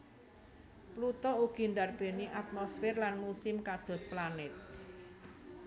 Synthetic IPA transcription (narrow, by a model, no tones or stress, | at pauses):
plut̪ɔuɡ̥i̤nd̪arb̥e̤niʔat̪̚mɔsfɪrlanmusɪmkad̪̥ɔ̤splanɪt̪̚